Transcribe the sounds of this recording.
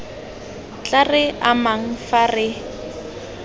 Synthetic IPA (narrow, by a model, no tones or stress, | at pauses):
t͡ɬarɪamaŋ̩farɪ